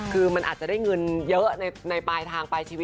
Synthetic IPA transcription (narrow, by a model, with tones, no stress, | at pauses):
kʰɯː˧ma˧nʔːt̪̚t͡ɕa˨˩daː˥˩jŋɤ˧njɤ˦˥ʔna˧na˧jpaː˧jt̪ʰaː˧ŋpaː˧jt͡ɕʰiː˧i˦